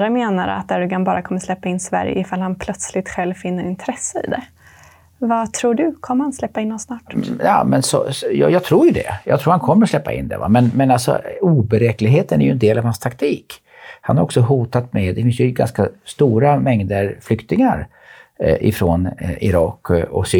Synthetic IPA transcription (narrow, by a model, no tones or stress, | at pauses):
ɾameːnaɾa̰t̪̚d̪æɾɵɡanbɑːɾakʰɔmːəʂlɛpːaɪnːsvæ̰ɾjə̰ɪfalhanpʰlœt̪slɪt̪ɧɛlvfɪnːəɾɪnt̪ʰɾɛsːəɪ̰ːd̪ɛ̰ | vat̪ʰɾuːɖɵkʰɔmːəhanslɛpːaɪnːɔsnɑːʈjɑːmɛnsɔ̰sj̰jɑːɡt̪ʰɾuːɾjɵd̪ɛ̰jɑ̰ːt̪ʰɾuːɾhankʰɔmːəɾɔslɛpːa̰ʔɪ̰nd̪ɛ̰va̰mɛnmɛnalsɔ̰uːbɛɾɛːklɪɡɦeːt̪ənæɾjɵɛnd̪eːlavhanst̪ʰakt̪ʰiːk | hanhaɾɔksɔɦuːt̪at̪mɛd̪ːɛfɪnsjɵɡa̰nskast̪uːɾamɛŋd̪əɾflʏkt̪ɪŋaɾ | ʔɪfɾonɪ̰ɾɑːkːɔ̰ksː